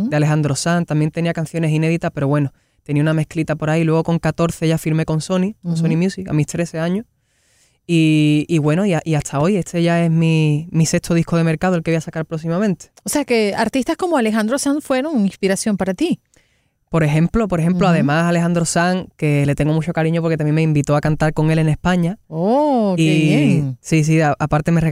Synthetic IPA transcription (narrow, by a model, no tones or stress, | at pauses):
d̪alexand̪ɾosant̪ambje̞nt̪e̞niakanθjo̞ne̞sine̞ðit̪ape̞ɾo̞βwe̞no | t̪e̞niauname̞hklit̪apo̞ɾailwe̞ɣ̞o̞ko̞ŋkat̪o̞ɾθe̞ʝafiɾme̞ko̞nso̞nikonsonimjusika̰miht̪ɾe̞θe̞aɲo | iːɣwe̞no̞iaʔiaht̪ʰao̞je̞t̪e̞ʝae̞ɦmimise̞kt̪oð̞ihkoð̞e̞meɾkaðoelkeiasakaɾpɾo̞ksimamẽnt̪e̥ose̞ake̞aɾt̪ist̪asko̞moale̞xand̪ɾo̞saŋfwe̞ɾo̞ŋĩŋspiɾasjo̞mpaɾat̪i | po̞ɾe̞xe̞mplo̞po̞ɾe̞xe̞mploaðe̞masale̞xand̪ɾo̞saŋke̞le̞t̪e̞ŋɡo̞mut͡ʃo̞kaɾiɲo̞p̬oɾket̪amje̞meimbit̪o̞akant̪aɾko̞ŋe̞le̞ne̞spaɲaoieβjesis̬iaapaɾt̪e̞mere